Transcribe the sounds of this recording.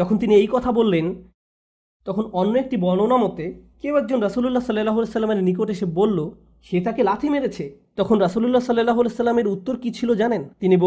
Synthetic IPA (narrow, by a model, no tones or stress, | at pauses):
d͡ʑɔkʰont̪iniejkɔt̪ʰabolːen | t̪ɔkʰonɔnːoek̚ʈibɔnonamot̪ːekewɛk̚d͡ʑonɾasululːasɔlalaɦlesɐlːameɾnik̬oʈeʃebbolːo | ʃet̪akelat̪ʰimeɾet͡ɕʰet̪ɔkʰonɾasululːasɔlalaɦlesəlːameɾut̪ːoɾkit͡ɕʰilod͡ʑanent̪inibo